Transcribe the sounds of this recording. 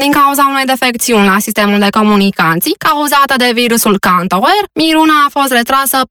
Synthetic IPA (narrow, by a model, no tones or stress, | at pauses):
d̪iŋkauzaunejd̪efe̞k̚t̪siunʲlasist̪e̞muld̪e̞ko̞munikant̪sijkauzat̪əd̪e̞viɾusulkant̪owermiɾunaːfo̞st̪re̞t̪ɾasə